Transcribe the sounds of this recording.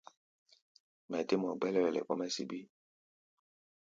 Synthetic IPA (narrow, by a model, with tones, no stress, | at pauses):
mɛ˨te˦mɔ˨ɡ͡bɛ˦lɛ˦ɾɛ˨lɛ̰˨kɔ˦mɛ˦sḭ˨bi˦